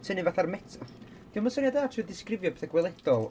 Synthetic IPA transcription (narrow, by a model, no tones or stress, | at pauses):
tʰənivaθarmɛtʰ | d̥ɪməsənjad̪aːtʰɨːdɪskrɪvjɔbɛ̥θɛɡwɛlˠɛd̥ɔlˠ